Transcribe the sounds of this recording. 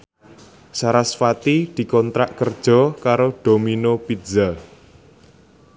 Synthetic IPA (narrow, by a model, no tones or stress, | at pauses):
saɾasfat̪id̪̥i̤kɔnt̪ɾaʔkərd̥ʒ̥ɔ̤kaɾoɖ̪̥o̤minopidz̥a